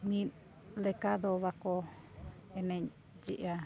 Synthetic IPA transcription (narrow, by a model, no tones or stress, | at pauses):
mĩ | lekaðoβako | enẽ | d͡ʒḭʔa